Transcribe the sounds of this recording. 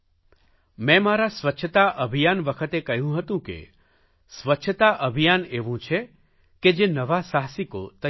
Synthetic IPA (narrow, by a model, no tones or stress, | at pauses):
mɛ̃maɾasʋətːʃʰət̪aʔəbʱijanʋəkʰət̪ekəɦjũɦət̪ũkḛ | sʋətːʃʰət̪aʔəbʱijaneʋũt͡ʃʰe | ked͡ʒenəʋasaɦsiko̰t̪ə